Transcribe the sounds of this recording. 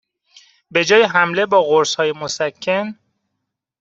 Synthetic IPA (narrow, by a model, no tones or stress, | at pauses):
be̞d͡ʒɒːjeɦæmle̞bɒːɣoɾshɒːjemosækʰːen